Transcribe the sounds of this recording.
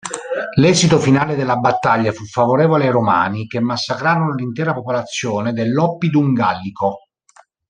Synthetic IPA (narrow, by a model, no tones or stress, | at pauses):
lɛːzit̪ofinaːled̪elːabat̪ːaʎːafufːavoɾɛːvolajɾoma̰ːnikemːasːakɾaːɾonolint̪ɛːɾapopolat̪sːjoːned̪elːɔpːid̪uŋɡalːiko